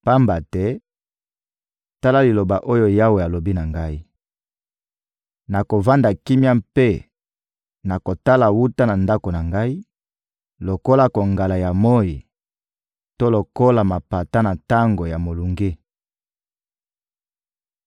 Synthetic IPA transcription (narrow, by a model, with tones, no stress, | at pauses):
pa˦mba˨tɛ˦ | ta˦la˦li˨lo˨ba˨ʔo˦jo˦ja˦we˨a˨lo˨bi˦na˨ŋɡa˦i˦ | na˨ko˨va˦nda˨ki˦mja˦mpe˦ | na˨ko˨ta˦la˨wu˦ta˦na˨nda˦ko˨na˨ŋɡa˦i˦ | lo˨ko˦la˨ko˨ŋɡa˨la˨ja˨mo˦ji˨ | to˦lo˨ko˦la˨ma˨pa˨ta˦na˨ta˦ŋɡo˨ja˨mo˨lu˨ŋɡe˦